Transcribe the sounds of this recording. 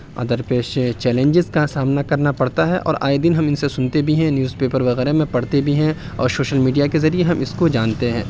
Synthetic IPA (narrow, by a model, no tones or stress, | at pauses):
ɐ̰d̪əɾpeːʃt͡ʃɛːlẽɲd͡ʒɪzkasaːmnakɐɾnapɐɽt̪aɦɛʔɔ̰ːɾa̰ːed̪ɪnɦɐmɪnsesʊnt̪ebʱiɦɛ̃njuːzpeːpəɾʋɐɣɛːɾemẽpɐɽ̤t̪ebʱiɦɛ̃ | ɔ̰ːɾsoːʃəlmiːɖijakezɐɾieɦɐmɪskod͡ʒaːnt̪eɦɛ̃ː